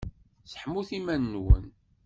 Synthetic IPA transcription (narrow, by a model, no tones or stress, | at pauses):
sə̥ħmuθimænːwə̰n